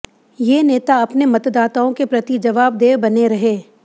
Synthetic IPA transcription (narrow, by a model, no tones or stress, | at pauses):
jeːneːt̪aɐpnemɐt̪d̪aːt̪aõkepɾɐt̪id͡ʒɐʋaːb̚d̪eːʋbɐneɾɐɦeː